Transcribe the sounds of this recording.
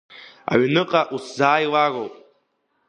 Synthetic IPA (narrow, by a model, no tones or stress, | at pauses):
a̰ɥnɨqʼaʔuszaːjwarowpʼ